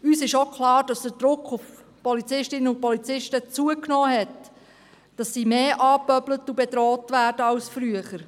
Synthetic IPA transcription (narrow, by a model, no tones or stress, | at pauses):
yːsɪʃokχlɑːɾd̥ɑsd̥̪əd̥ɾʊkχʊf | pɔlit͡sɪʃtɪnəʊpɔlit͡sɪʃtət͡suəknɔːɦɛt | d̥ɑsːiːmeːʔɑːpœblətubɛdɾɔːtʋæːɾd̥əɑʊsfɾyəχəɾ